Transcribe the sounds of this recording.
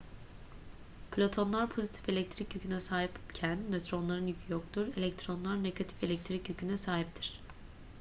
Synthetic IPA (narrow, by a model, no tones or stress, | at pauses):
pʰlʲo̞t̪ʰo̞nlˠaɾpʰo̞zit̪ʰi̥fe̞lʲɛc̚t̪ʰɾicjycʰynɛsaːɦipcʰænmet̪ɾo̞nlˠaɾɯnjycʰyjok̚t̪uɾe̞lʲɛc̚t̪ʰɾo̞nlˠaɾneɡat̪ʰi̥fe̞lʲɛc̚t̪ʰɾicjycʰynɛsaːɦip̚t̪ʰiɾ̥